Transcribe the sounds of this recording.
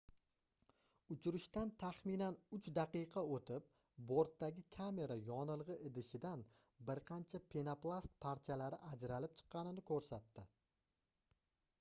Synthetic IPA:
ʊt͡ʃʰʊɾɪʃt̪ant̪ʰaχmɪnanʊt͡ʃd̪ɑqɨjqʰɑot̪ʰɪp̚ | boɾt̪ːaɡʲɪkʲʰame̞ɾajɒnɨlˠʁɨʔɪd̪ɪʃɪd̪an | bɪɾqʰɑnt͡ʃʰapʰenaplˠast̪̚pʰaɾt̪ʰijalaɾɪʔad͡ʒɾalɪp̚t͡ʃʰɨ̥qːɑnɪnɪkʰɵɾsat̪ːɪ

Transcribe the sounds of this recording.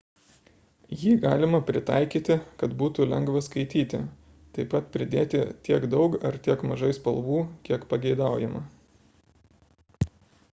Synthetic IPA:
jiːɡɑːlʲɪmɐpʲɾʲɪt̪ɑ̰ɪkʲiːt̪ʲɪkɐt̪buːt̪ʊlʲɛŋɡʋɐskɐɪt̪ʲiːt̪ʲɪ̰ | t̪ɐɪpɐt̪pʲɾʲɪd̪ʲeːt̪ʲɪt̪ʲiɛɡd̪ɒʊkɐɾt̪ʲiɛkmɐʒɐɪspɐlˠʋuːkʲiɛkpɐɡʲɛɪd̪ɑˑʊjɛmɐ̰

